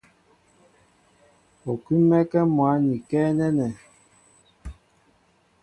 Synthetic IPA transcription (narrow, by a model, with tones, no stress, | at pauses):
o˨ki˦mɛ˦kɛ˦mwa˨˦ni˨kɛ˦nɛ˦nɛ˨